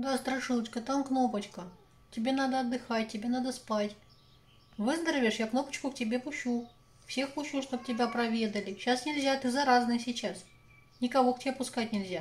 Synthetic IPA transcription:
d̪ast̪ɾɐʂɨlˠət͡ɕkət̪amkno̞pət͡ɕkə | tʲɪbʲenad̪əɐd̪ːɨxat̚ʲtʲːɪbʲe̞nad̪əspatʲ | vɨzd̪əɾəvʲɪʂjakno̞pə̥t͡ɕkʊk̚tʲɪbʲe̞pʊɕu | fsʲe̞xpʊɕːuʂt̪ob̚tʲɪbʲapɾɐvʲe̞d̪əlʲɪɕasnʲɪlʲzʲat̪ɨzɐɾaznɨjəsʲɪt͡ɕas | nʲɪkɐvo̞ktʲɪbʲepʊskatʲnʲɪlʲzʲa

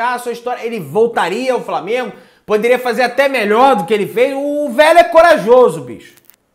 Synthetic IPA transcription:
aɐsuɐiʃt̪ɔɾjɐelɪvowt̪aɾiɐawflamẽɡʊ | pod̪eɾiɐfazeɾat̪ɛmeʎɔɾd̪ʊkɪelɪvejʊːvɛlʊɛkoɾaʒozʊbḭʃʊ̥

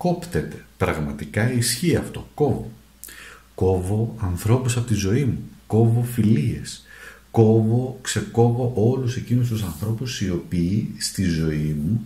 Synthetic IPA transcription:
ko̞pt̪et̪e̞̥pɾɐɣmɐt̪ikɐisçiɐft̪o̞ko̞vo | ko̞vo̞ɐnθɾo̞pusɐpo̞t̪izo̞imuko̞vo̞filie̞̰sko̞vo̞kse̞ko̞vo̞ʔo̞luse̞cinust̪usɐnθɾo̞pusio̞piːst̪izo̞imu

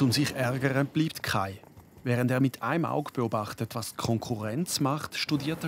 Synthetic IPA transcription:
t͡sʊmziχɛʁɡəʁəb̥liːptkʰa̰ɪvɛːʁəndeːɐmɪtʰa̰ɪma̰ʊɡb̥eobaχtətvaːskʰɔŋkʰuʁɛnt͡smaχtʃtudiːɐtɛ

